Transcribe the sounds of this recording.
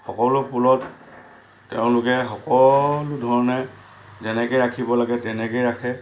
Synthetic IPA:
xɔkɔlʊpulɔt | tɛʊ̃lʊkɛxɔkɔlʊdʱɔɹɔnɛ | zɛnɛkɔjɹakʰibɔlaɡɛtɛnɛkejɹakʰɛ

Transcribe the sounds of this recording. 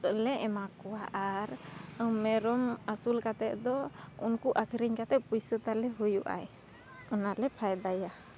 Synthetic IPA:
lɛɛmakuaʔaɾmɛɾɔmasulkat̪ɛʔd̪ɔṵnkuʔakʰiɾiɲkat̪ɛʔpujsət̪alɛɦujuʔa̰j | ɔnalɛpʰajd̪aja

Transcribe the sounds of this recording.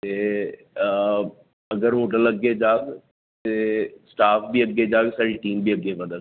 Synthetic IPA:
t̪e | ɐɡəɾmoːʈ̬ələɡed͡ʒaːɡ | t̪eːsʈaːpʰbiəɡːed͡ʒaːɡsaːɽiʈiːmbʱiːəɡeʋəd̪ə

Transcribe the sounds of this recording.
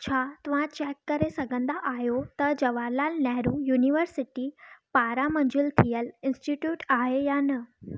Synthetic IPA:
t͡ɕʰat̪uʋ̤ãt͡ɕɛkːəɾesəɡə̃nd̪aʔajot̪əd͡ʑəʋaɾlalnɛɦɾujuniʋəɾsiʈipaɾaməɲd͡ʑult̪ʰijəlinsʈiʈjuːʈaɦejanə

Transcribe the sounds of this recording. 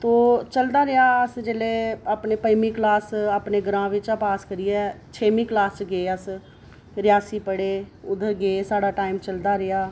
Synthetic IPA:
t̪oːt͡ʃəld̪aːɾɪaːəsd͡ʒeːleːəpneːpəjmiːklaːsəpneɡəɾãːʋɪt͡ʃapaːskəɾiɛːt͡ʃʰeːmĩːklaːst͡ʃɡeːəs | ɾɪjaːsiːpəɽeːʊd̪ʱɡeːsaːɽaːʈaːimt͡ʃəld̪aːɾɪjaː

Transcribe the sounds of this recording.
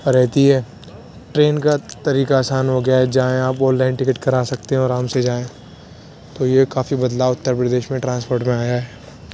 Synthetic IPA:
pɐɾɛɦt̪iɦɛː | ʈɾeːnkat̪ɐɾiːkaːsaːnɦoɡɐjaɦɛd͡ʒaːẽaːpɔːlːaːɪnʈɪkɪʈkɐɾaːsɐkt̪eɦɛ̃ɔːɾamsed͡ʒaːẽ | t̪ojekaːfibɐd̪laʊt̪ːəɾpɾɐd̪eːʃmẽʈɾãːnspoːɾʈmẽaːjaɦɛː

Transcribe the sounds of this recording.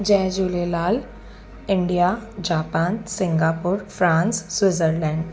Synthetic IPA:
d͡ʒɛ̃ːd͡ʒuːlelaːl | ɪɳɖijad͡ʒaːpaːnsɪ̃ŋɡaːpʊɾfɾãːnsswɪzəɾlɛ̃ːɳɖ

